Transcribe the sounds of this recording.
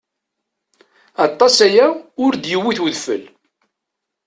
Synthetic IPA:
ɑt̪ˤːɑsæjæʊɾd̪jəwːiθwəðfə̰l

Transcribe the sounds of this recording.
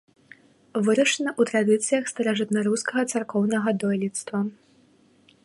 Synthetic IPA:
vɨɾɐʂɐnɐʔut̪ɾad̪ɨt̪sɨjɐxst̪ɐɾaʐɨt̪nɐɾuskɐɣɐt̪sarkɔwnɐɣɐd̪ɔjlʲit̪st̪vɐ

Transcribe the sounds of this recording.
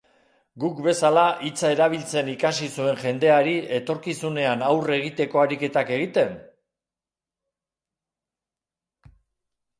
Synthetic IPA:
ɡukbe̞salaʔit͡sae̞ɾaβ̞ilt͡se̞nikasisue̞ŋʝe̞nd̪e̞aɾie̞t̪o̞ɾkisune̞anawre̞ɣ̞it̪e̞ko̞aɾike̞t̪ake̞ɣ̞it̪e̞n

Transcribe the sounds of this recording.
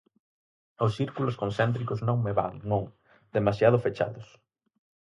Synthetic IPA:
osθiɾkuloskonθɛnt̪ɾikʊznõŋmeβa̰ŋnõŋ | d̪emasjaðʊfet͡ʃa̰ðʊs

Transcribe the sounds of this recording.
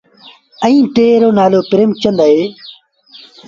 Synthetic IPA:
ə̃ĩːʈeːɾoːnaːloːpɪɾeːmt͡ʃənd̪aːɦeː

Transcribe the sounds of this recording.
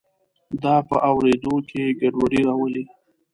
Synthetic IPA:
d̪ɑpəʔawɾed̪okʰeɡaɖwaɽiɾɑwəled̪a

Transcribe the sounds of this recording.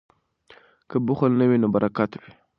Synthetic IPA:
kəbuxəlnəwinəbaɾʔakate

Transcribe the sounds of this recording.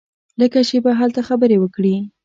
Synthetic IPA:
ləkat͡ʃebaɦalt̪axabəɾewəkɽi

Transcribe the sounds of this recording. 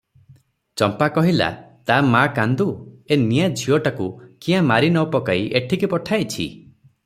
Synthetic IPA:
t͡ʃɔmpakɔɦila̰t̪amakand̪uenijad͡ʒʱiɔʈakukĩãmaɾinɔwpɔkaiʔeʈʰikipɔʈʰajt͡ʃʰḭ

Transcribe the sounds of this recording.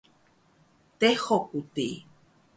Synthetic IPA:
t̪ehokut̪i

